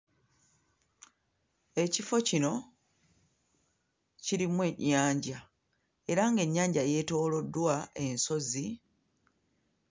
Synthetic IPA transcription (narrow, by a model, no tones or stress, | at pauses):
e̞cifo̞cino̞ | ciɾimwe̞ɲːaːɲɟa | e̞ɾaŋɡe̞ɲːaːɲɟaje̞ːto̞ːlo̞dːwae̞nso̞zi